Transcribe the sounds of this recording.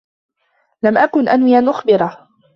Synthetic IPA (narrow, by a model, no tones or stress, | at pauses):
lamʔakʊnʔanwɪʔanʔʊxbɪɾˤɑ